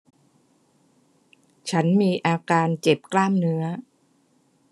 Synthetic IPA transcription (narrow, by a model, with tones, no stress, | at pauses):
t͡ɕʰa˦˥nmiː˧ʔaː˧kaː˧nt͡ɕe˨˩p̚klaː˥˩mnɯ˦˥ɐ